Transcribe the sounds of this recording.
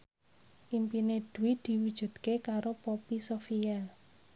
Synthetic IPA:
ʔimpined̥uwɪd̪̥i̤wud̥ʒ̥ṳd̪̚kekaɾopopisofial

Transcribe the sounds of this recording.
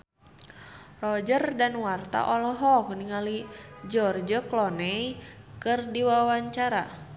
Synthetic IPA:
rɔd͡ʒərdanwart̪a̰ʔɔlɔɦɔkəniŋalid͡ʒɔrd͡ʒəklɔnɛikɨrdiwawaɲt͡ʃaɾa

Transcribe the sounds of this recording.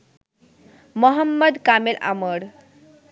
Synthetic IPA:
məɦəmːəd̪kamelʔa̰məɽ

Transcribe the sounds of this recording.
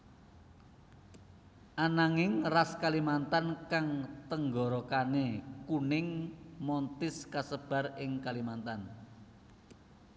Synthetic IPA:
ʔanaŋɪŋraskalimant̪ankaŋt̪əŋɡɔɾɔkanekunɪŋmɔnt̪ɪskasəb̥a̤rɪŋkalimant̪an

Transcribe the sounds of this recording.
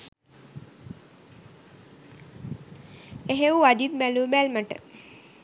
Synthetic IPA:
eɦewad̪it̪̚mɛlubɛlmaʈə̰

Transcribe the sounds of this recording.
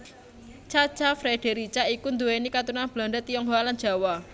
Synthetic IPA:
t͡ʃat͡ʃafɾeɖ̥eɾit͡ʃaikund̪uwenikat̪unanb̥laɳdət̪ijɔŋwalan̥d͡ʒ̥a̤wa

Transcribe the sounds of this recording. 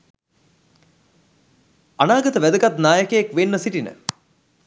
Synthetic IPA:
anaːɡət̪əʋæd̪əkat̪naːjəkəjakʋenːəsiʈinə̰

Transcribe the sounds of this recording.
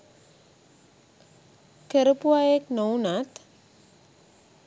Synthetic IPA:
keɾəpuaek̚nownat̪

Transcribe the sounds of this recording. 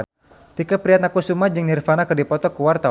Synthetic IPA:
t̪ikəpɾiat̪̚nakusumad͡ʒɨŋnirfanakərdipɔt̪ɔkuwart̪a

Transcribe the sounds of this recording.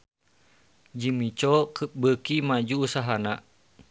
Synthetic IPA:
d͡ʒimit͡ʃɔkəp̚bəkimad͡ʒuːsaɦanaʔ

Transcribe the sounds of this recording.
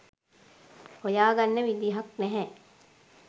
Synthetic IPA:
hojaːɡɐnːəʋid̪iːɦɐknɛɦɛ̃

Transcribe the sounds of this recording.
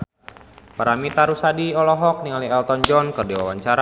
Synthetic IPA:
paɾamit̪aɾusadiɔlɔɦɔk̚niŋaliɛlt̪ɔnd͡ʒɔnkɨrdiwawaɲt͡ʃaɾa

